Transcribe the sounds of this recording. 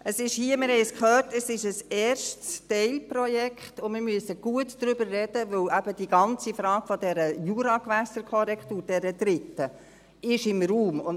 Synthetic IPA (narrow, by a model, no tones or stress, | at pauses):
ʔəsɪʃhiːəmɪɾɦɛɪskχœːrtəsɪʃəsɛːrʃtstɛɪlprɔjɛkχtʊmɪɾmyəsəɡ̥uətd̪̥ɾʏbəɾːɛd̥əʋɵwæb̥ədiɡɑnt͡sifɾɑːɡ̥fɔd̥ɛɾəjuɾɑkʋæsəɾkʰɔɾɛkχtuːɾd̥ɛɾəd̥̪ɾɪtːə | ɪʃɪmruːmʊn